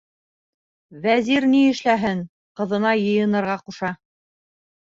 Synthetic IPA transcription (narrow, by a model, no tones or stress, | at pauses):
væziɾniɘ̆ʃlæɦɘŋ | qɤ̆ðɤ̆nɑjɤ̆jɤ̆nɤ̆ɾʁɑquʃɑ